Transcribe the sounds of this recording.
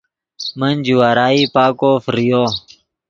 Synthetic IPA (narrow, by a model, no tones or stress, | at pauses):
mɐnd͡ʒuwaːɾaːipaːkoːfɾijoː